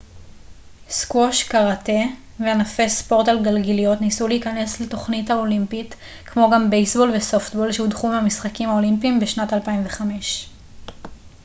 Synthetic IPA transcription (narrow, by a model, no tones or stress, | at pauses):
skwoʃkaʁate̞ | veanafe̞spo̞ʁtalɡalɡelijo̞tnisuliiːkane̞sleto̞χnithaolimpit | kmo̞ɡambejsbo̞lveso̞ftbo̞lʃeudχumeamisχakimhaolimpimbeʃnatalpaimveχame̞ʃ